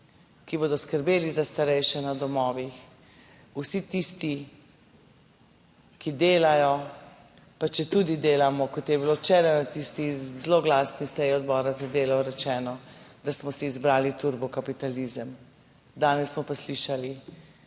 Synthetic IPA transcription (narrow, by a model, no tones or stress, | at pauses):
kiboːd̪ɔskəɾbeːlizast̪aɾɛjʃɛnad̪ɔmɔːʋix | usit̪ist̪i | kid̪eːlajɔ | pat͡ʃɛt̪ud̪id̪eːlamɔkɔt̪jɛbilot͡ʃɛɾanat̪ist̪izloɡlaːsnisɛjiɔd̪bɔːɾazad̪eːlɔɾɛt͡ʃɛːnɔd̪asmɔsiːzbɾaːlit̪uɾbɔkapit̪alizəm | d̪aːnɛssmɔpasliʃali